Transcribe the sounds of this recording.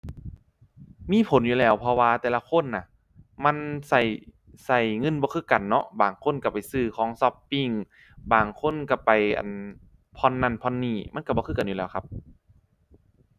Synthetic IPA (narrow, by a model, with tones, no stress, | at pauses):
miː˧˥˨pʰo˨˦njuː˧˨lɛː˧˩wpʰɔ˧waː˧t̪ɛː˧la˧kʰo˧˥˨nːa˧˩ | ma˧˥˨nsa˧˩j | sa˧˩jŋɤ˧˥˨nbɔː˧kʰɯː˧˥˨ka˨nːɔ˧baː˨˩ŋkʰo˧˥˨nka˧˩pa˨jsɯː˧˩kʰɔː˨˦ŋsɔ˧pːi˧˩ŋ | baː˨˩ŋkʰo˧˥˨nka˧˩pa˨˩jʔa̰˨˩n | pʰɔ˧˥˨nːa˧˩˨npʰɔ˧˨nːiː˧˩ma˧˥˨nka˧˩bɔː˧˦kʰɯː˧˩ka˨njuː˧˨ɛː˧˩wkʰa˧p̚